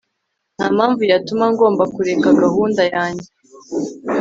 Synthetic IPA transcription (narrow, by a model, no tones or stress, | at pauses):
n̥haːmaːɱvujatumaŋɡo̞ːmbakuɾe̞kaɡahuːndajaːɲɟe